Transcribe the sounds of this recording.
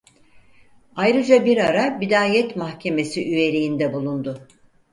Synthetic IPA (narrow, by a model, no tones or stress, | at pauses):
ajɾɯd͡ʒabiɾaɾabid̪aːjɛt̪mahcʰe̞me̞siʔyje̞ɾijind̪ɛbulˠund̪ʊ